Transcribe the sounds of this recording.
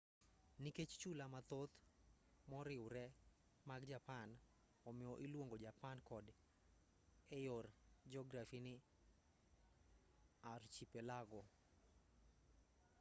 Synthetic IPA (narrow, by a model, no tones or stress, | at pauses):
niket͡ʃt͡ʃulamat̪ot̪ | mɔɾɪwʊɾɛ | maɡd͡ʒapan | ɔmɪɔʔilwoŋɡod͡ʒapankɔd | ɛjord͡ʒɔɡɾafinɪ | art͡ʃipelaɡɔ